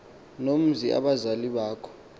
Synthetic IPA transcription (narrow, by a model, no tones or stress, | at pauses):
nom̩ziʔa̰ɓazaliɓaːkʰɔ̥